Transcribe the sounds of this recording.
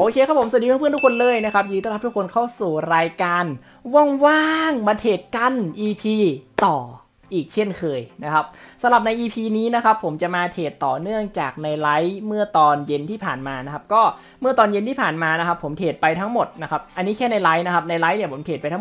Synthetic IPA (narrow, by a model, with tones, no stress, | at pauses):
ʔoː˧kʰeː˧kʰa˦˥pʰo˩˦msdi˧p̪̚ʰa˦˥˩pʰːt̪ʰu˥kʰo˧nlɤː˧˩jna˦˥kʰa˦˥p̚jɯː˧˦t̪ɔː˥˧˩a˦˥t̪u˦˥kʰo˧nkʰa˥˩wsuː˨˩ɾaː˧jkaː˧n | wɔ˥˩ŋwaː˥˩ŋmaː˧t̪ʰeː˨˩t̪̚ka˧nʔiː˧pʰiː˧t̪ɔː˨˩ | ʔiː˨˩k̚t͡ɕʰe˥˩nkʰɤː˧jna˦˥kʰa˦˥p̚sa˨˦mɾa˨˩p̚na˧jʔiː˧pʰiː˧niː˦˥na˦˥kʰa˦˥pʰːo˩˦mt͡ɕa˨˩ʔmaː˧t̪ʰeː˨˩t̪ːɔː˨˩nɯ˥˩əŋt͡ɕa̰ː˨˩k̚na˧jla˦˥jmɯ˥˩ɐt̪ɔː˧nje˧nt̪ʰiː˥˩pʰa̰ː˨˩nmaː˧na˦˥kʰa˦˥p̚kɔː˥˩ | mɯ˥˩ɐt̪ɔː˧nje˧nt̪ʰiː˥˩pʰaː˨˩nmaː˧n˦˥kʰa˦˥pʰːo˩˦mt̪ʰeː˨˩t̪̚pa˧jt̪ʰa˦˥ŋmo˨˩t̪̚na˦˥kʰa˦˥p̚ʔa˧nːiː˦˥kʰɛː˥˩na˧jla˦˥jna˦˥kʰa˦˥p̚na˧jla˦˥jni˦˥˩pʰo˩˦mt̪ʰeː˨˩pa˧jt̪ʰː